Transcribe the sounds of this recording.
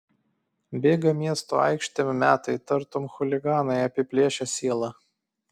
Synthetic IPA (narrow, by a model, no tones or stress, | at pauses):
bʲeːɡɐmʲiɛst̪o̰ːɑ̰ɪkʃʲt̪ʲemʲmʲæːt̪ɐɪt̪ɐɾt̪oːmxʊlʲɪɡɑːnɐɪɐpʲɪpʲlʲeɛʃʲɛsʲiɛlˠɑ